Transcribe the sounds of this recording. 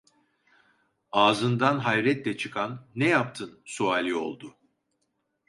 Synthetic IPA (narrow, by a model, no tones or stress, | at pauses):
aːzɯnd̪anɦajɾɛt̪lʲɛt͡ʃʰɯkʰanːɛjap̚t̪ʰɯnsuaːlʲio̞̰lˠd̪ʊ